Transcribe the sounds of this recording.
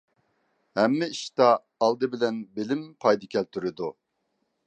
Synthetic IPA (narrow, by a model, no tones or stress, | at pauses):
hɛmːiiʃt̪aː | lˠd̪ɯbilɛnbilimpʰajd̪ikʲʰɛlʲt̪ʰyɾyd̪u